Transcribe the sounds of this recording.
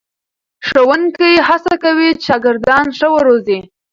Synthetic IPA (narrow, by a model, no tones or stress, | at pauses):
ʂəwʊŋkəjɦasakawiʃɑɡɪɾd̪ɑnʂəwəɾozi